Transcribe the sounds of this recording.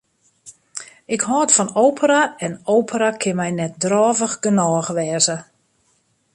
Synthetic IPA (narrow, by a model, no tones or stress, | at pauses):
ɪkhɔːtfɔnoːwpʰəraɛnowpʰəɾakʰɪnmɛjnɛt̚drɔːvəxɡənɔːɣʋɛːzə